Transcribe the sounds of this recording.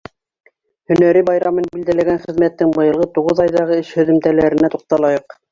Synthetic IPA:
hɵ̆næɾibɑjɾɑmɤnbild̪ælæɡænχɘ̆ðmæt̪ːɘŋbɤ̆jɤ̆lˠʁɤt̪uʁɤðɑjðɑʁɤɘʃhɵ̆ðɵ̆mt̪ælæɾɘ̆næt̪uq̚t̪ɑlˠɑjɤq

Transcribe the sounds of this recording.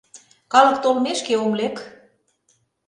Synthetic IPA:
kɑlɤ̆kt̪olmeʃkeomlek

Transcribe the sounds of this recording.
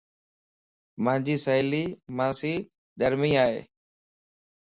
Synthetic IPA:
mãːd͡ʒiːsəɦliːmãːsiː | ɗəɾmĩːaːɦḛː

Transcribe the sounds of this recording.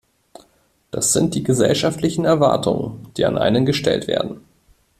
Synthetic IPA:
d̥asz̥ɪnt̚d̥iːɡəzɛ̰lʃaftlɪçn̩ɛɐva̰ɐtʰʊŋə̰nd̥iːa̰nʔa̰ɪnənɡəʃtɛ̰ltv̥ḛːɐdn̩

